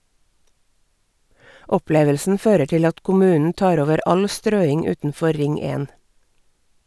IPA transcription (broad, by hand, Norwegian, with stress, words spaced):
ˈɔˌpleːʋəlsn̩ ˈføːɾə ˈʈɪl ˈɑt kʊˈmʉːnn̩ ˈtɑːɾ ˈoːʋəɾ ˈɑl ˈstɾøːɪŋ ˈʉːtn̩ˌfɔ ˈɾɪŋ ˈeːn